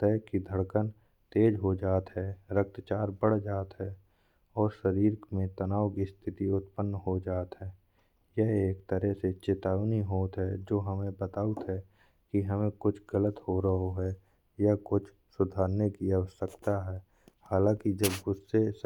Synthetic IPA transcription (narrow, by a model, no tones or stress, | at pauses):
t̪ɛːkid̪ʱəɽkən | t̪eːd͡ʒɦod͡ʒaːt̪ɦɛɾək̚t̪t͡ʃaːɾbəɽd͡ʒaːt̪ɦɛ | ɔːɾʃəɾiːɾmẽt̪ənaːwkist̪ʰɪt̪iʊt̪pənːɦod͡ʒaːt̪ɦɛː | jɛɦeːkt̪əɾɛset͡ʃɪt̪aːʋniɦoːt̪ɦɛd͡ʒoːɦəmẽbət̪aːʊt̪ɦɛ | kiɦəmẽkʊt͡ʃʰɡələt̪hoɾəɦoɦɛ | jakʊt͡ʃʰ | sʊd̪ʱaːɾnekiɐəsəkt̪aɦɛː | haːlãːkid͡ʒəbɡʊsːes